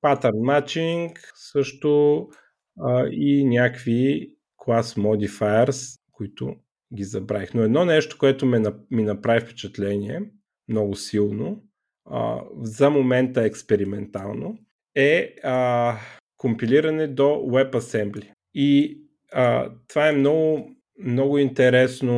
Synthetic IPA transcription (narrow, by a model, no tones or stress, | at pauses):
pat̪ɛɾnmat͡ʃiŋksɤʃt̪ʊ | inʲakvi | klˠasmɔd̪ifajəɾskoit̪ʊ̰ | ɡʲizɐbɾaixnoɛd̪nɔnɛʃt̪o̥koɛt̪ʊmɛnminɐpɾavifpɛ̥t͡ʃɛt̪lɛniɛ | mnɔɡʊsilˠno̰ | zɐmomɛnt̪əɛkspɛɾimɛnt̪alˠno | ɛə | kompiliɾɐnɛd̪owɛpɐsɛmblʲi | i | ət̪ovaɛmnɔɡʊ | mnɔɡʊint̪ɛɾɛsno